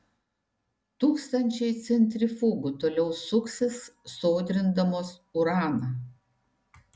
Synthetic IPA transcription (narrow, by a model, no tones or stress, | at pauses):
t̪uːkst̪ɐnʲt͡ʃʲɛɪt̪sʲɛnʲt̪ʲɾʲɪfuːɡʊt̪oːlʲɛʊsʊksʲɪsːoːd̪ʲɾʲɪnd̪ɐmoːs | ʊɾɑːnɐ